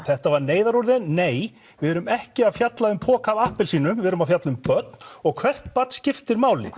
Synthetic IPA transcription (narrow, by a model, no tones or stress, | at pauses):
θɛht̪avaɾneːjðaɾɔɾðɪnneːj | vɪɛɾʏmɛhcɪaðfjat̪laʏmpʰɔːkavahpɪlsiːnʏmvɪɛɾʏmaðfjat̪lʏmpœt̪̚n̥ɔɣkʰvɛr̥t̪pat̪scɪft̪ɪɾmaːwlɪ̰